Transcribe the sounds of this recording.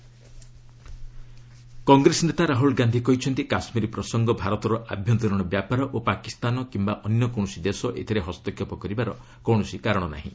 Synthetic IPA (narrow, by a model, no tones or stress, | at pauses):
kɔŋɡɾesɔnet̪aɾaɦulɡand̪ʱikɔɦit͡ʃʰɔnt̪ikasmiɾipɾɔsɔŋɡɔbʱaɾɔt̪ɔɾɔʔa̰bʱjɔnt̪ɔɾɔɽ̃ɔbjapaɾɔʔopakist̪anɔkimbaʔɔnjɔkɔɳ̃ɔsid̪esɔʔḛt̪ʰiɾeɦɔst̪ɔkʰjɔpɔkɔɾibaɾɔ | kɔwɽ̃ɔsikaɾɔɽ̃ɔna̰ɦḭ̃